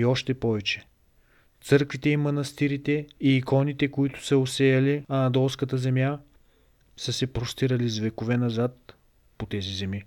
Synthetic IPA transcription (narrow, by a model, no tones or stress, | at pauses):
iɔʃt̪ɛpɔvɛt͡ʃɛ̥ | t̪sɤɾkvit̪ɛimɐnɐst̪iɾit̪ɛiːkɔnit̪ɛkoit̪ʊ̥səosɛjɐliɐnɐd̪ɔlˠskət̪əzɛmja | sɤsɛpɾost̪iɾɐlizvɛkovɛnɐzat̪̚ | pot̪ɛzizɛmi